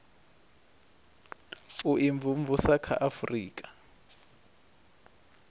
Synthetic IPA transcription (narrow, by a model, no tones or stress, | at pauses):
uʔiɱvʱuɱvusakʰa̰ʔafrḭːk̬ʼḁ